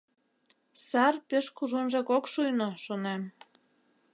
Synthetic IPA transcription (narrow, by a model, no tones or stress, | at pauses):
sɑrpeʃkuʒunʒɑkokʃujnoʃonem